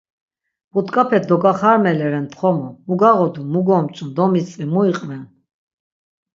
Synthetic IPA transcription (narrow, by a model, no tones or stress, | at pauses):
but̪kʼapʰɛt̪̚ʰd̪ɔɡaχaɾmɛlɛɾɛnt̪ʰχɔmɔmuɡaʁɔd̪umuɡɔmt͡ʃʼund̪ɔmit͡sʼimuiqʼnɛn